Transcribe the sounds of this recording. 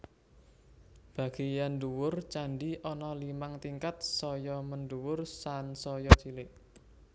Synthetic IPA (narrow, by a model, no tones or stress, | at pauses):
b̥a̤ɡ̥i̤janɖuwʊrt͡ʃaɳɖiʔɔnɔlimaŋt̪iŋkat̪̚sɔjɔmənɖuwʊrsansɔjɔt͡ʃilɪʔ